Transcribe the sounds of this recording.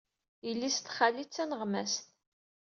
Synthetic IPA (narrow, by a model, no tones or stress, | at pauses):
ilːist̪χalːit͡sːænəʁmæst̪